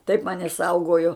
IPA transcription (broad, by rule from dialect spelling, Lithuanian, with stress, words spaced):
tɐɪp ˈmɑːnʲɪ ˈsɐʊɡoːjoː